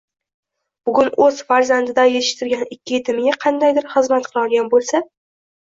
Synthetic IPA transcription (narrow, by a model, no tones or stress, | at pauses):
b̥ʊɡʲʊnɵz̥faɾzand̪ɪd̪ajet̪ʰɪʃt̪ʰɪɾɡʲanɪkʲːɪjet̪ʰɪmɪɡʲaqʰɑnd̪ajd̪ɪɾχɨzmat̪qʰɨlˠɒɾɡʲanbolˠsa